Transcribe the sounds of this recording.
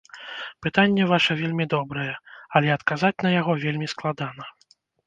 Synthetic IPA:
pɨt̪anʲːɛvaʂɐvʲelʲmʲid̪ɔbɾɐjɛɐlʲɛɐt̪kazat͡sʲnɐjaɣɔvʲelʲmʲisklˠad̪anɐ

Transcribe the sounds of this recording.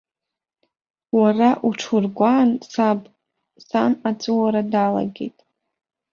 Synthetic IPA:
waraʔuʈ͡ʂʰurɡʷansab | sanat͡sʼɨwaɾadala̰ɡʲe̞̰jtʼ

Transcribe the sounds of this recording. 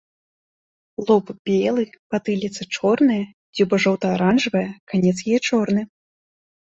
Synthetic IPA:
lˠɔpbʲɛlˠɨpat̪ɨlʲɛt̪sɐt͡ʂɔrnɨjɐ | d͡zʲɛbɐʐɔwt̪ɐːɾanʐɨvɐjɛkanʲɛt̪sjajɛt͡ʂɔrnɨ

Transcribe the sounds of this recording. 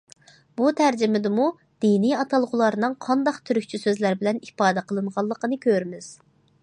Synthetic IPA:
but̪ʰæɾd͡ʒɪmɪd̪ɪmu | d̪̥iniɑt̪ʰɑlˠʁʊlˠɑɾnɨŋqʰɑnd̪ɑqt̪ʰyɾykʲt͡ʃʰysøzlæɾbɪlɛnipɑːd̪ɛqʰəlˠɨnʁɑlˠːəqənɨkʲʰøɾmɪz̥

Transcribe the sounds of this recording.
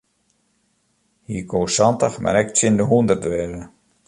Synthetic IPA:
hiːkʰoːsɔntəxma̰ɾɛk̚t͡sɪndəɦundərtʋɛːɣə

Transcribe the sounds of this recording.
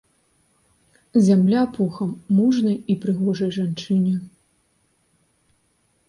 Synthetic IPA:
zʲamlʲapɔxɐmːuʐnɐjipɾɨɣɔʐɐjʐant͡ʂɨnʲɛ

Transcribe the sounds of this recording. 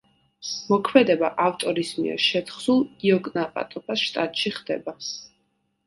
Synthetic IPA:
mɔkʰmɛd̪ɛbaʔaft̪ʼɔɾismiɛ̰ɾʃɛt̪ʰχsulˠiɔɡʼnapʼa̰t̪ʼɔpʰasʃt̪ʼat̪ʼʃiχd̪̥ɛ̰ba

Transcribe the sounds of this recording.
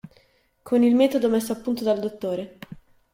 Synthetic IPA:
kʰonilmɛːt̪od̪omesːoapːunt̪od̪ald̪ot̪ːoːɾe

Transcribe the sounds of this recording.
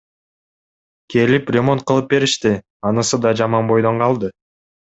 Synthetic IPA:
kʰe̞liprʲemo̞nt̪̚qʰɯlˠɯp̚be̞ɾiʃt̪i | ɑnɯsɯd̪ɑd͡ʒɑmɑnbo̞jd̪o̞ɴqʰɑlˠd̪ɯ

